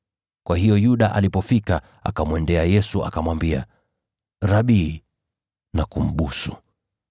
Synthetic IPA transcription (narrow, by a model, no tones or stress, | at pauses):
kwaɦijɔjuɗaʔa̰lipɔfika | a̰kamwɛndɛajɛsua̰kamwambia̰ | ɾaɓiː | nakum̩ɓusu